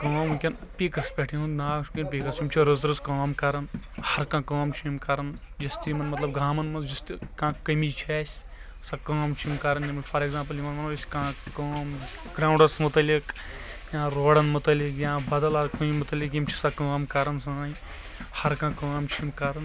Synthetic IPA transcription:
kaːmkʲɐnpʲikɐspʲeʈʰiunnaːt͡ʃʰu̥kʲɐnpʲikɐsjimt͡ʃʰiɾɨzɾɨskaːmkɐɾɐnhɐɾkãːkaːmt͡ʃʰimkɐɾɐn | d͡ʒɐst̪imɐnmɐt̪lɐb̚ɡaːmɐnmɐnd͡ʒɐst̪ikãːkɐmit͡ʃʰaːsʲ | sɐkaːmt͡ʃʰimkɐɾɐnjimɐlfʰɐɾeɡzãːmp̬ɐljimɐnmɐnɐɐsʲkãːkaːm | ɡɾãːuɳɖɐɾsmut̪ɐlʲikjãːɾoːɽɐnmut̪ɐlikjãːbɐd̪ɐlɐɾkujimut̪ɐlʲik̬jimt͡ʃʰi̥sɐkaːmkɐɾɐns̬ãːji | hɐɾkãːkaːmt͡ʃʰimkɐɾɐn

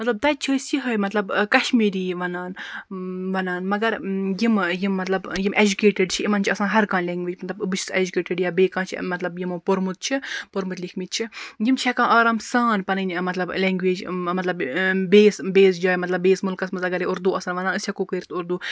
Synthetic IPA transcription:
mɐt̪lɐb̚t̪ɐt͡ʃʰisiɦɐjmɐt̪lɐbkɐʃmiːɾiːʋɐnaːn | ʋɐnaːnmɐɡɐɾjimjimːɐt̪lɐbjimʔed͡ʒukeːʈeɖt͡ʃʰiimɐnt͡ʃʰiɐsãːnɦɐɾkãːnlʲeːŋɡʋiːd͡ʒmɐt̪lɐbɨbɨt͡ʃʰi̥sḛd͡ʒukeːʈeɖjaːbeːkãːnt͡ʃʰḭmɐt̪lɐbjimõːpoɾmut̪̚t͡ʃʰipoɾmut̪likʰmit̪̚t͡ʃʰijimt͡ʃʰɛkãːʔaːɾɐmsaːnpɐnɨnʲmɐt̪lɐbleːŋɡʋeːd͡ʒmɐt̪lɐbbeːsbeːs̬d͡ʒaːjmɐt̪lɐbːeːsmulkɐsmɐt̪ɐɡɐɾiʊɾd̪uːɐsɐːnʋɐnaːnɨsʲjɐkuːkəɾʲt̪ʊɾd̪uː

